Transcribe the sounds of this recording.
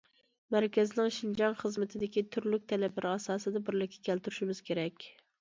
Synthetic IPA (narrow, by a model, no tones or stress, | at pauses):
mæɾkʲɛzɪnɪŋʃind͡ʒɑnχəzmɪt̪ʰɪd̪ɪkʲit̪ʰyɾlyk̚ʲt̪ʰɛlɛpʰlæɾʔɪɑsɑːsɨd̪ɛbɪɾlɪkʲʰːɛ̥kʲælt̪yɾyʃimɪz̥kʲeɾɛkʲ